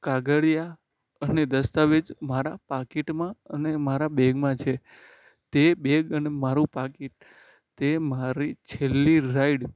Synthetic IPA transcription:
kaɡəɭija | əned̪əst̪aʋed͡ʒmaɾapakiʈmãənemaɾabeɡmãt͡ʃʰe | t̪ebeɡənemaɾũpakiʈ̚ | t̪emaɾit͡ʃʰelːiɾaiɖ

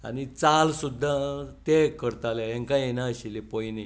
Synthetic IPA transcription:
a̰nit͡salsud̪ʱːat̪ekəɾt̪aljajẽŋkãjenaəɕilepɔjni

